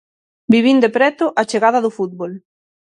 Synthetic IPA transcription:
biβind̪epɾɛt̪ʊʔat͡ʃeɣaðɐðʊfut̪̚βol

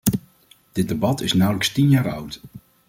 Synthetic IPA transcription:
d̥ɪt̚dəbɑtɪsnʌwləkstinjaːɹʌwt

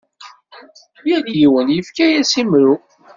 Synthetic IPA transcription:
jænjiwənjəfkæjæsimɾu

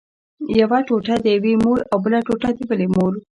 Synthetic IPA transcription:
jawaʈoʈad̪əjawemoɾawbəlaʈoʈad̪əbəlemoɾ

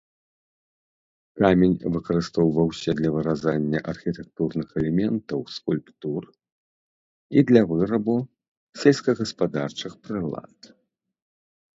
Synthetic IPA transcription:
kamʲenʲvɨkɐɾɨst̪ɔwvɐwsʲɛd̪lʲɐvɨɾazanʲːɐʔɐrxʲit̪ɛk̚t̪urnɨxɛlʲɛmʲɛnt̪ɐwskulʲpt̪ur | id̪lʲɐvɨɾɐbu | sʲɛlʲskɐɣɐspad̪art͡ʂɨxpɾɨlˠa̰t̪

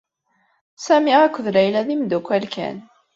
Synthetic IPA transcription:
sæmiʁækʷːəðlæjlæðimd̪ukʷːælkʰæ̰n

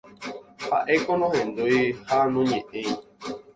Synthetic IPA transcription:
ha̰ʔe̞konõhẽ̞nd̪ujhanõɲẽʔẽj

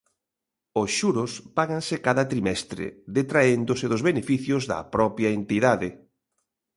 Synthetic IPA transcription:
osʃuɾʊspaɣansɪkaðɐt̪ɾimɛst̪ɾḛðet̪ɾaend̪ʊsɪðʊzβenefiθjʊzðɐ̰pɾɔpjɐent̪iðaðɪ

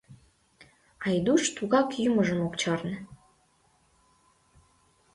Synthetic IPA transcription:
ɑjd̪uʃt̪uɣɑkyməʒəmokt͡ɕɑrnə̆

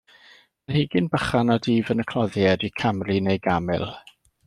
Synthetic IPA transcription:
ənhiɡɪnbəχanɔdiːvənəkʰlˠɔðjɛdikʰamrinejɡamɪ̰lˠ

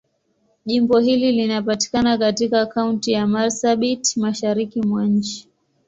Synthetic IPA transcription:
ʄimbɔhililinapati̥kanakatikaːkauntijamalsaɓitmaʃaɾikimwaɲ̩t͡ʃi̥

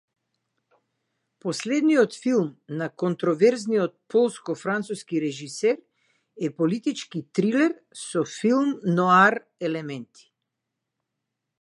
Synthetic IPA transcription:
pɔslɛd̪niɔt̪filˠmnakɔnt̪ɾɔvɛɾznijɔt̪̚pɔlˠskɔfɾant̪suskiɾɛʒisɛɾ | ɛpɔlit̪it͡ʃkit̪ɾilɛɾ | sɔfilˠmnɔaɾ | ɛlɛmɛnt̪ʰi̥

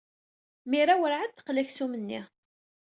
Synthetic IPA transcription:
miɾawəɾʕad̪̚θə̥qlæçsumənːḭ

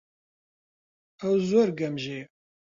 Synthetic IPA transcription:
hɐwzɔrɡɐmʒeː

